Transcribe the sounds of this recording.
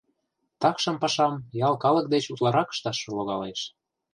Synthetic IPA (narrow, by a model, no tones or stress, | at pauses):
t̪ɑkʃɤ̆mpɑʃɑmjɑlˠkɑlə̆k̚d̪et͡ɕut̪lɑɾɑkə̥ʃt̪ɑʃɤ̆loɣɑleʃ